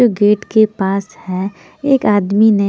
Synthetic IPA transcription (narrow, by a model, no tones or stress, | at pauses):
oːɡeːʈkepaːshɛː | eːkaːd̪mine